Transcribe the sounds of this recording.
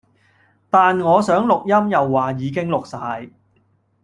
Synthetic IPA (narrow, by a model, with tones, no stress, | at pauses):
t̪aː˨nŋɔː˨˧sœː˨˥ŋlʊ˨k̚jɐ˥mjɐ˨wːaː˨jiː˨˧k̬ɪ˥ŋlʊ˨k̚saː˧j